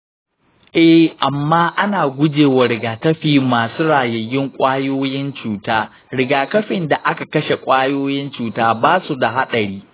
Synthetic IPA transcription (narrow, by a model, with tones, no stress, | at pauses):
ʔɛ˦ʔa˨mːaː˦ʔa˦naː˨ɡʷʊ˦d͡ʒeː˨wa˨ɾɪ˨ɡaː˨kɐ˦ɸiː˨maː˨suː˦ɽaː˨jɐ˨jɪ˦ŋkʷʼaː˦joː˦jɪ˦nt͡ʃuː˨taː˦ | ɾɪ˨ɡaː˨kɐ˦ɸɪ˨nda˨ʔa˦ka˨kɐ˦ʃe˨kʷʼaː˦joː˦jɪ˦nt͡ʃuː˨taː˦baː˦su˨da˨ɦa˦ɗɐ˨ɽiː˦